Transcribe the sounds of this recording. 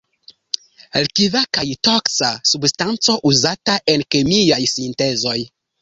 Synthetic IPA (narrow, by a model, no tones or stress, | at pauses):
lkivakajtoksasubstant͡so̞ʔuzataʔe̞nkemiajsinte̞zo̞j